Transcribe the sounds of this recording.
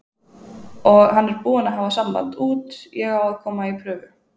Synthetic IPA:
ɔɣhanːɛɾpuːanaɦavasampa̰nt̪uːt̪jɛɣawaðkʰɔːmaipʰɾœːvʏ

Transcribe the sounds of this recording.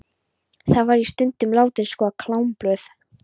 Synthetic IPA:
θaðvaɾist̪ʏnt̪ʏmlaːwt̪ɪnskvɔakʰlawmplœːθ

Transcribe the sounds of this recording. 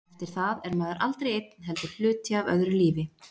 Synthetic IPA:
ɛft̪ɪɾ̥θaðɛɾmaːðʏɾʔa̰lt̪ɾejejt̪n̥ɦɛlt̪ɪ̥flʏːt̪jaavœ̰ðɾɪʏliːvɪ

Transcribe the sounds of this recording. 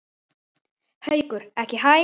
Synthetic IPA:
hœɥkʏɾ̥ɛhcɪɦaj

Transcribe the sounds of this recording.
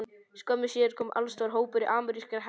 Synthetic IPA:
n | skœmːɪsjɛːɾkʰɔːmʔa̰lst̪ɔːɾɦoːwpʏɾɪʔaːmʏɾiskaɾɦ

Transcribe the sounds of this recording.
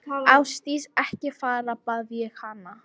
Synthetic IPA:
awst̪isɛhcɪfaːɾapaːðvjɛxhanːa

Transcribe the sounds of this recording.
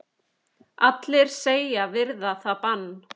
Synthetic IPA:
at̪lɪɾ̥seːjavɪɾðaθapanː

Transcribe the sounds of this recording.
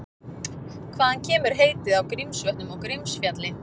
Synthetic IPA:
kʰvaːðancʰɛːmʏɾ̥ɦeːjt̪ɪðawkɾimsœht̪nʏmɔɣkɾimsfjat̪lɪ

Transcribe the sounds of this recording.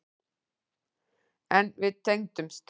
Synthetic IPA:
ɛ̃nʋɪt̪ʰɛ̃ŋ̚t̪ʏmst̪

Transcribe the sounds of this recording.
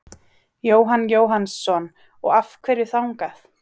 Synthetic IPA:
joːwɦanjoːwɦansːɔn | ɔ̰ɣafkʰveːjɾɪθawŋkaθ

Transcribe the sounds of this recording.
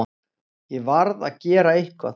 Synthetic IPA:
jɛvaɾða̰ðcɛːɾaejhkva̰

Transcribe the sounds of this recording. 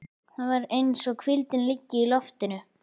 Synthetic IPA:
θaðvaɾejnsɔɣkʰvɪlt̪ɪnlɪcːɪilɔft̪ɪnʏ

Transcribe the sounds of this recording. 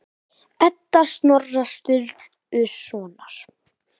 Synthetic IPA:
ɛt̪ːaɾ̥st̪nɔrːast̪ʏlt̪ | ʏsɔːnaɾ̥

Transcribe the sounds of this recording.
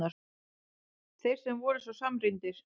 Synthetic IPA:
aɾ | θejɾ̥sɛmvɔːɾʏsɔsamɾint̪ɪɾ̥

